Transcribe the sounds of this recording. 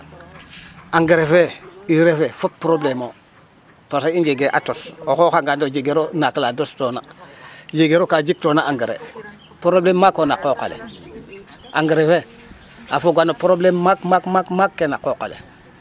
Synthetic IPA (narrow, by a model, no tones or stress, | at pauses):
aŋɡeɾefeiɾefefop̚pːɾoblemo | posaiŋd͡ʒeɡeʔa̰tosoxoxaŋɡandod͡ʒeɡeɾonakəladostona̰d͡ʒeɡeɾokad͡ʒik̚tonaaŋɡeɾḛ | pɾoblemːakːonakoka̰lḛ | aŋɡeɾefe | a̰foɡanopɾoblemːakmakmakmakːenakokalḛ